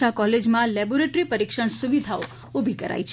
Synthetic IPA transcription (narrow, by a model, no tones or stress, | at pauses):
akɔled͡ʒmãlɛboɾeʈɾipəɾikʃəɳ̃suʋid̪ʱao | obʱikəɾa̰it͡ʃʰ